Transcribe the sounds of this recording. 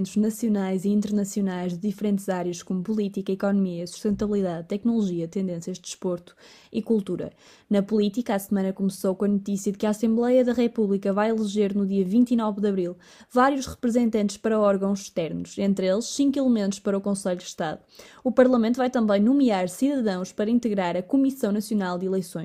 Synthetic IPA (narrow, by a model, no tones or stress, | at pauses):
nt̪uʒnɐsjunajziĩnt̪ɨɾnɐsjunajʒðɨðifɾẽnt̪z̥aɾjɐʃkomupulˠit̪ikɐikɔnumiɐsu̥ʃt̪ẽnt̪ɐβlˠiðaðt̪ɛknulˠuʒiɐt̪ẽnd̪ẽsjɐʒd̪ɨʃpoɾt̪u̥ | ikulˠt̪uɾɐ̰ | nɐpulˠit̪ikasmɐ̃nɐkumsowkõɐnut̪isiɐðɨkɐasẽmblˠɛjɐðɐʁɛpuβlˠikɐvajilˠɨʒeɾnuðiɐvĩnt̪inɔvðɐβɾilˠ | vaɾjuʃʁɨpɾɨzẽnt̪ɐ̃nt̪ʃpɐɾɐɔɾɣɐ̃w̃zʃt̪ɛɾnuʃẽnt̪ɾelˠʃsĩŋkwilˠɨmẽnt̪uʃpɐɾɐukõseʎud̪ɨʃt̪aðuupɐɾlˠɐmẽnt̪uvajt̪ɐ̃mbɐ̃j̃numiaɾsiðɐðɐ̃w̃ʃpɐɾɐĩnt̪ɨɣɾaɾɐkumisɐ̃w̃nɐsjunalˠd̪ilˠɐjsõj̃ʃ